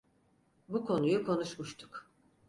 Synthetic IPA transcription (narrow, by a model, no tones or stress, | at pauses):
bukʰo̞nujukʰo̞nuʃmuʃt̪ʰu̥k